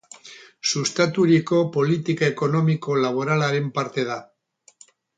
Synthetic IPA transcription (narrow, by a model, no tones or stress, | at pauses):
sust̪at̪uɾiko̞po̞lit̪ikaeko̞no̞miko̞laβ̞o̞ɾalaɾempaɾt̪e̞ð̞a